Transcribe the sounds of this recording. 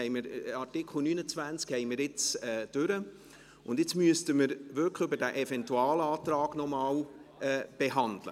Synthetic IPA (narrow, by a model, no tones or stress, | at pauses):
ɛɪməɾɑtɪkʰχl̩nyːnət͡svænt͡skhɛɪmɪɾɪt͡sɛːd̥ʏɾə | ʊnd̪ɪt͡smyəstəməɾʋʏɾkχʏbəɾdæʔefɛntuɑːlɑːtɾɑːɡ̥nɔmɑːlɛːb̥eɦɑndlə̰